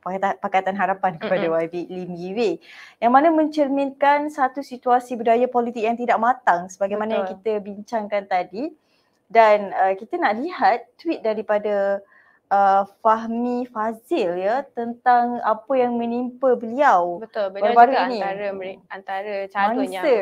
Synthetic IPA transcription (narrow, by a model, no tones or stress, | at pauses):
p̪pakat̪anɦaɾapankəpadawawilimiwejaŋmanamə̃ɲt͡ʃərminkansat̪usit̪uasibudajapolit̪ɪk̚jaŋt̪idaʔmat̪aŋsəbaɡajmanajaŋkit̪əbiɲt͡ʃaŋkant̪adi | danəkit̪ənaʔliɦat̪ːwit̪̚daɾipada | ʔəfaɦmifasɪljət̪ənt̪aŋapəjaŋmə̃nimpəbəliawbət̪ʊbəbaɾubaɾuinĩɾant̪aɾəmaniə